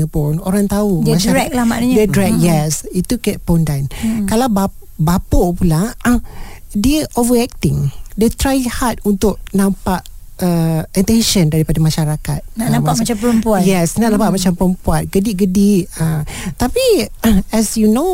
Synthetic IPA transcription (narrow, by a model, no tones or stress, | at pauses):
əpʊnoɾaŋt̪audmãʃdaɹɛk̚lahmanaɲdedɹɛk̚jɛsit̪ukɛt̚pondankalawba | bapoʔpula | diəʔovəɾɛk̚t̪ɪ̃ŋdet̪ɾajhat̪̚unt̪ʊʔ̚nãmpaʔəɛ̃nt̪ɛnʃəndaɾipadamãʃaɾaka̰t̪̚naʔnãmpaʔmat͡ʃampəɾəmpuajɛsnaʔnãmpaʔmat͡ʃampəɾəmpuan̚ɡədiɡədiʔət̪apiɛsjuno